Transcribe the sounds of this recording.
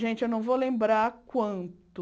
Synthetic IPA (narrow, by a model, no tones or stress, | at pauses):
ʒẽnt͡ʃɪewnɐ̃w̃volẽmbɾakwɐ̃nt̪ʊ